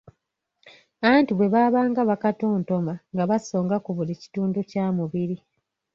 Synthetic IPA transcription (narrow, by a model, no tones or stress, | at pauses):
aβaːntiβwe̞βaːβaːŋɡaβakato̞ːnto̞maŋɡaβaso̞ːŋɡakuβulici̥tuːnducaːmuβiɾi